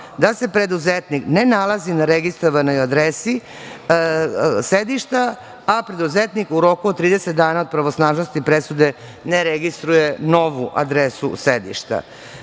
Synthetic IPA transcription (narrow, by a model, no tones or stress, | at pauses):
d̪ase̞pɾe̞d̪uzet̪niknenalˠazinaɾeɡist̪ɾoʋano̞jad̪ɾesi | sed̪iʃt̪a | apɾe̞d̪uzet̪nikuɾo̞kuod̪t̪ːɾiːd̪eset̪̚d̪aːnaod̪̚pɾaʋosnaːʒnost̪ipɾesud̪e̞ | neɾeɡist̪ɾuje̞no̞ʋuʔa̰d̪ɾesṵsed̪ḭʃt̪a̰